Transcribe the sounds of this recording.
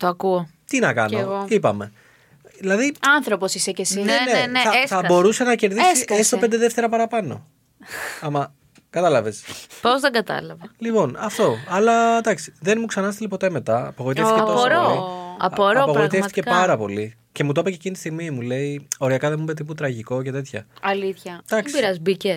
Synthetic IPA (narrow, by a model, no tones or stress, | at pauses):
t̪oɐkuot̪inɐkɐ̰nooipɐme̞ | ðilɐðiɐnθɾoposisecesinenenɐsθɐbo̞ɾuse̞nɐce̞ɾðisiesst̪oped̪eðeft̪e̞ɾɐpɐɾɐpɐno̞̰ | ɐmɐ | kɐt̪ɐlɐve̞spozðeɡɐt̪ɐ̰lɐvɐlipo̞nɐft̪o̞ɐlɐt̪ɐksi̥ðe̞nmuksɐnɐst̪ilipo̞t̪e̞me̞t̪ɐɐpɐɣo̞it̪efθiceoɾooɐpoɾɐopɐɣoit̪eft̪i̥cepɐɾɐpo̞li | ce̞mut̪o̞pɐcecint̪ist̪iɣmimule̞io̞ɾiɐkɐðemumbet̪iput̪ɾɐʝiko̞ce̞t̪e̞t̪çɐ̰ɐliθçɐd̪ɐksiɾɐzbice